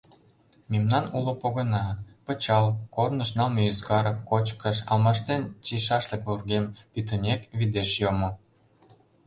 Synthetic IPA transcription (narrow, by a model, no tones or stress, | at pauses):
mʲimnɑnulŏpoɣɤ̆nɑpə̆t͡ɕɑlˠkornəʃnɑlmeyzkɑɾəkot͡ɕkəʃɑlmɑʃt̪ent͡ɕiʃɑʃlə̆kβurɡempʲit̪ə̆nʲekβid̪eʃjomo